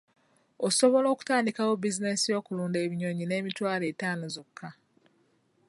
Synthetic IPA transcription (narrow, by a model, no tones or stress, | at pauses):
oso̞βo̞lo̞ːku̥taːndikawo̞bizine̞sijo̞ːkuluːndeːβiɲo̞ɲine̞ːmitwaːle̞ːtaːno̞zokʰːa